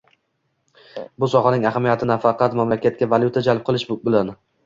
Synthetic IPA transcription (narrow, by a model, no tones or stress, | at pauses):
bʊsɒχɑnɪŋahamijat̪ʰɪnafɑqʰɑt̪mamlakʲʰat̪̚kʲavalʲjʊt̪ʰad͡ʒalp̚qʰɨlˠɪʃbɪlan